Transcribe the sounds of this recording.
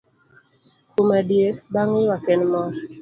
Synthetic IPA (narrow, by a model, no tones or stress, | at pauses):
komadjeɾbaŋɪwakɛnmɔr